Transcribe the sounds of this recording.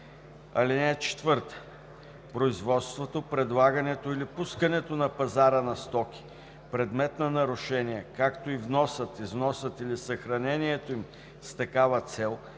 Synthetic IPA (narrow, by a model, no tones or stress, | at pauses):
ɐ̰linɛːt͡ʃɛ̥t̪vɤɾt̪ə̥ | pɾoizvɔt̪st̪vot̪opɾɛd̪lˠaɡɐnɛt̪oilipuskənɛt̪onɐpɐzaɾənɐst̪ɔkʲi̥ | pɾɛd̪mɛt̪nɐnɐɾʊʃɛniɛkakt̪oivnɔsət̪izvnɔsət̪ilisɐxɾɐnɛniɛt̪oim | st̪ɐkavət̪sɛlˠ